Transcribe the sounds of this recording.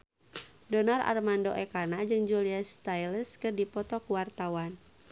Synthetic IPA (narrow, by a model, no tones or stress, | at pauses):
dɔnarʔa̰rmandoʔɛkanad͡ʒɨŋd͡ʒuliast̪ajləskɨrdipɔt̪ɔkuwart̪awan